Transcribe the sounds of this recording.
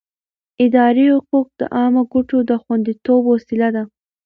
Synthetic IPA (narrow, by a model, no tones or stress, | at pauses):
ɪd̪ɑɾihʊquq̚d̪̥ə̰ʔɑməɡuʈod̪əxwand̪it̪obwasilad̪a